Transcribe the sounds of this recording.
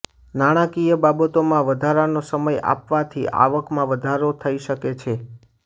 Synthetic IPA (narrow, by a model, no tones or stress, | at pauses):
naɽ̃ãkijəbabət̪omãʋəd̪ʱaɾanosəməja̰pʋat̪ʰiʔa̰ʋəkmãʋəd̪ʱaɾot̪ʰəiʃəket͡ʃʰe